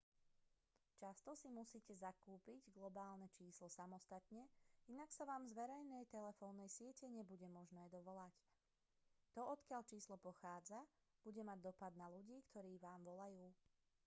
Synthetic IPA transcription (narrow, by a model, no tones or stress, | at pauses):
t͡ʃast̪ɔsimusiːcɛzakuːpiɟɡlɔbaːlnɛt͡ʃiːslɔsamɔst̪at̪ɲɛinaksaʋaːmzʋɛɾɛjnɛjt̪ɛlɛfɔːnːɛjsɪɛcɛɲɛbuɟɛmɔʒnɛːd̪ɔʋɔlac | t̪ɔɔt̪kɪaʎt͡ʃiːslɔpɔxaːd͡za | b̥uɟɛmaɟ̚d̪ɔpad̪naluɟiːkt̪ʰɔɾiːʋaːmʋɔlajuː